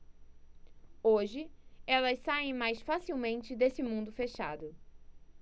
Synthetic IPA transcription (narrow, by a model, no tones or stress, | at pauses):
oʒɪɛlɐssaẽj̃majsfasiwmẽnt͡ʃɪd̪esɪmũd̪ʊfeʃa̰d̪ʊ